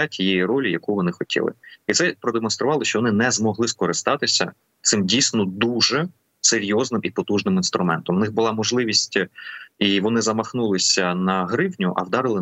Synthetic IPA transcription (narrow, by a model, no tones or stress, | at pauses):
atʲʰijejirɔlʲijɐkuʋɔnɪxɔtʲʰḭlˠɪ̰it̪sɛpɾɔd̪emɔnst̪ɾʊʋɑlˠɪʃt͡ʃɔʋɔnɪnɛzmɔɦlˠɪskɔɾɪst̪ɑt̪ɪsʲɐ̰ | t̪sɪmdʲijsʲnɔd̪uʒɛ | seɾʲjɔznɪmipɔt̪uʒnɪminst̪ɾʊmɛnt̪ɔmwnɪɣbʊlˠɑmɔʒlˠɪʋʲisʲtʲiʋɔnɪzɐmɐxnulˠɪsʲɐnɐɦɾɪwnʲʊʔɐ̰wd̪ɑɾɪlˠɪ